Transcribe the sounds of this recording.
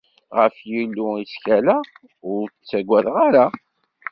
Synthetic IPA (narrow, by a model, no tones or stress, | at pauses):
ʁəfjilːuiskælæ | ʊɾt͡sːæɡʷːæðʁaɾa